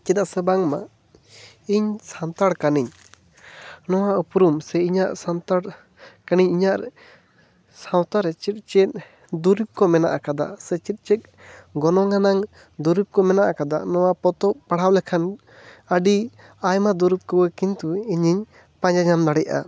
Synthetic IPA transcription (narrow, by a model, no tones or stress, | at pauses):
t͡ʃit̪aʔsɛbaŋma | iɲsant̪aɽkaniɲ | nɔwaupɾumsɛiɲaʔsant̪aɽ | kaniɲiɲaʔɾɛ | sãwt̪aɾɛt͡ʃit̪̚t͡ʃɛt̪̚ˀ | d̪uɾip̚kɔmɛnaʔakad̪a̰sɛt͡ʃit̪̚ˀt͡ʃɛt̪̚ | ɡɔnɔŋanaŋ | d̪uɾip̚kɔmɛnaʔakad̪a̰ʔnɔwapɔt̪ɔʔpaɽ̤awlɛkʰan | əɖi | ajmad̪uɾip̚kɔwəkint̪uiɲiɲ | pãɲd͡ʒaɲamd̪aɽɛjʔa̰